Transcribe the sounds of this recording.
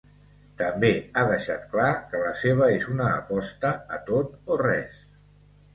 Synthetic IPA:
t̪əmbeaðəʃa̰t̪klakələseβ̞əezunəːpɔst̪əːt̪ot̪orɛ̰s

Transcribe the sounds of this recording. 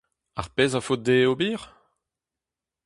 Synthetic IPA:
a̰ʁpezafot̪̚d̪eobiːʁ

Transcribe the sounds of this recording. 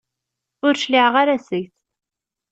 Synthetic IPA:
ʊɾʃliʕʁaɾæsəʝθ

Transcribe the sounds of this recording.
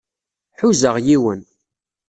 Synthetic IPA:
ħuzəʁjiwən

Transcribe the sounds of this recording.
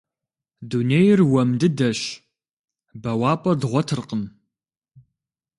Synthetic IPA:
duneːjɪrwɐmdɨdɐɕ | bɐwaːpʼɐdʁʷɔtʰɨrqəm

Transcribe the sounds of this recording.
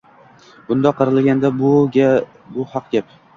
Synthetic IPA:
bʊnd̪ɒqʰːɨɾɨlɡʲand̪abʊ | bʊhɑqɡʲap

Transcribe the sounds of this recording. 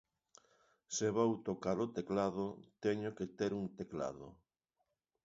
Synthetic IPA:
seβowt̪okaɾot̪eklaðot̪ɛɲoket̪eɾuŋt̪ekla̰ðo̰

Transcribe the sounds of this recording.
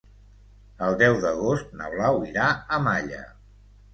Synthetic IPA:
əlˠd̪ɛwðəɣost̪̚nə̰βlawiɾaəmaʎə̰

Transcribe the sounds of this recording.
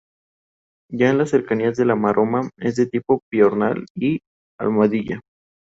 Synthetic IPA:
ʝaenlasːe̞ɾkaniazðe̞lamaɾʔomaezðet̪ipo̞pjoɾna̰li | a̰lmaðiʝa

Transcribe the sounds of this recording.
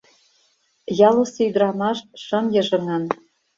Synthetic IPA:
jɑlˠɤ̆sɤyd̪̆rɑmɑʃʃɤ̆mjɤ̆ʒɤ̆ŋɑn

